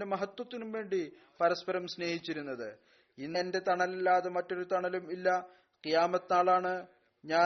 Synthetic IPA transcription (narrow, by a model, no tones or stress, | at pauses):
demɐɦɐt̪ːwɐt̪ːinumʋe̞ːɳɖi | pɐɾɐspɐɾɐmsne̞ːhit͡ɕːiɾunːɐðɨ | inːnde̞t̪ɐɳɐlilːaːðemɐtːo̞ɾut̪ɐɳɐlumilːɐ | qijaːmɐt̪ːnaːɭaːɳɨ | ɲaː